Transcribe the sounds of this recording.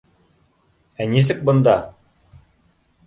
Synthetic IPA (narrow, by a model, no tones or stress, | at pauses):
ænis̬ɘk̚bɤ̆nd̪ɑ